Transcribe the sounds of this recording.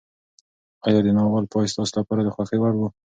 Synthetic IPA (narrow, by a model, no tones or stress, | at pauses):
ɑjɑd̪enɑwɑlpɑjst̪ɑslapɑɾad̪əxwaxewaɽwu